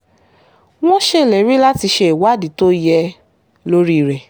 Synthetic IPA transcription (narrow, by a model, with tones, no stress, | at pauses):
w̃ɔ̃˦ʃe˦˨lɛ˨˦m̃ĩ˦la˦ti˧ʃe˧˦i˨wa˨˦˨di˨˦to˦jɛ˧ | lo˦ɾi˦˨ɾɛ˨